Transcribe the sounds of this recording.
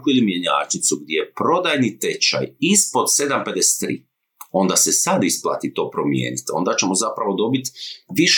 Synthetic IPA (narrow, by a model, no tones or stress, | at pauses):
kuilimje̞ɲa̰ːt͡ʃnit̪suɡd̪jejepɾo̞d̪ajnit̪e̞t͡ʃa̰jispo̞d̪se̞d̪ampe̞d̪ese̥t̪ːɾḭː | o̞nd̪asesad̪isplˠa̰ːt̪it̪o̞ːpɾo̞mjḛːnit̪o̞̰nd̪at͡ɕe̞mo̞zapɾaʋo̞d̪o̞bit̪ʋiʃ